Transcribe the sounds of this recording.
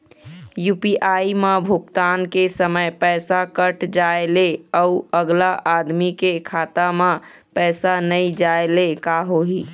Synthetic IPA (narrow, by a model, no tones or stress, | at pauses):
jupiʔaimebʱukt̪ankesəməjpɛjsakəʈd͡ʒaeleəuəɡlaʔad̪mikekʰat̪ame | pɛjsanəjd͡ʒaelekaɦoɦi